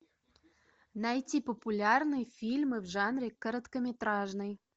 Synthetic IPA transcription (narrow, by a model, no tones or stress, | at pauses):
nɑjt̪ʲipopulʲɑrnɨəfʲilʲmɨvʒɑnrʲekːə̆ɾə̆t̪kə̆mʲet̪ɾɑʒnɨj